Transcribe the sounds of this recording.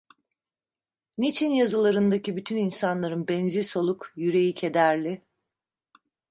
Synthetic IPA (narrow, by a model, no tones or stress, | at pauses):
nit͡ʃʰinjazɯlˠaɾɯnd̪acibyt̪ʰyninsanlˠaɾɯnbɛnziso̞lˠukjyɾe̞jicʰe̞d̪æɾlʲɪ